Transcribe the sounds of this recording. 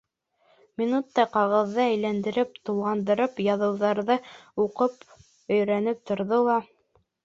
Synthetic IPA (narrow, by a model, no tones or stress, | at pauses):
mʲinut̪ːɑqɑʁɤ̆ðːɤæjlænd̪ɘ̆ɾɘp̚t̪ulˠʁɑnd̪ɤ̆ɾɤpjɑðɤ̆wðɑɾðɤuqɤp | ɵ̆jɾænɘp̚t̪ŏɾðolˠɑ